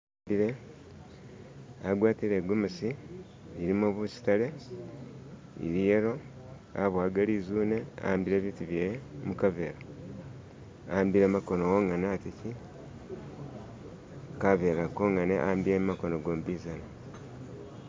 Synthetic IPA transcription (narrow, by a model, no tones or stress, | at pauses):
biɾe̞ | aɡwaːtiɾe̞ːɡumusiː | ɾimoβusi̥tale̞ | ḭɾijeɾo̞ | a̰βwaːɡaliːzuːne̞a̰ambiɾe̞ːβiːtuβjemukaβeɾa | ambiɾemako̞nowoːŋanatici | kaβe̞ɾakoːŋaneʔa̰ambiɾemumakono̞ɡoːmbizana